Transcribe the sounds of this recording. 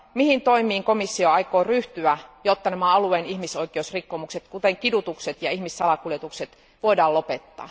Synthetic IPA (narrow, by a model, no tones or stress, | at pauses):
mihint̪oimiːŋkomisːioɑikoːryht̪yæjot̪ːɑnæmæɑlueːnihmisoikeusrikːomukset̪kut̪eŋkidut̪ukset̪jɑihmisːɑlɑkuljet̪ukset̪ | ʋoidɑːlopet̪ːɑ̰ː